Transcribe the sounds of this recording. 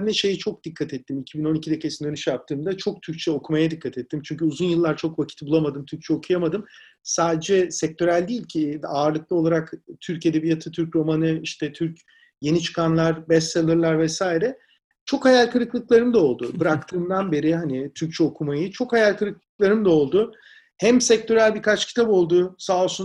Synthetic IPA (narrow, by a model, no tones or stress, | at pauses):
nɛʃe̞jit͡ʃʰo̞k̚d̪̥ikʰːat̪ʰɛt̪ʰːimicʰibino̞nicʰid̪ekʰesind̪ønyʃjap̚t̪ʰɯːmd̪at͡ʃʰo̞k̚t̪ʰyɾc̚t͡ʃʰɛo̞kʰumajad̪ikʰːat̪ʰɛt̪ːimt͡ʃʰyɲcʰyuzunjɯlˠːaɾt͡ʃʰo̞kvacʰi̥t̪bulˠamad̪ɯmt̪ʰyɾc̚t͡ʃʰɛokʰujamad̪ɯm | saːd̪ed͡ʒɛsɛc̚t̪ʰø̞ɾælʲd̪iːlʲcʰiaːɾlˠɯk̚lˠao̞lˠaɾakt̪ʰyɾced̪ebijat̪ʰɯt̪ʰyɾcɾo̞manɯiʃt̪ɛt̪ʰyɾc | je̞nit͡ʃʰɯ̥kʰanlˠaɾbɛsːalˠɯɾlˠaɾvɛsaːjiɾɛ | t͡ʃʰo̞khajalʲkɯɾɯklˠɯklˠaɾɯmd̪ao̞lˠd̪ʊbɯɾak̚t̪ʰɯːmd̪anbe̞ɾɪhanit̪ʰyɾc̚t͡ʃʰɛo̞kʰumajɯt͡ʃʰo̞khajaɾʲkʰɯɾɯklˠɯklˠaɾɯmd̪ao̞lˠd̪ʊ | hæmsɛc̚t̪o̞ɾælʲbiɾkʰat͡ʃcʰi̥t̪ʰabo̞lˠd̪usaːsu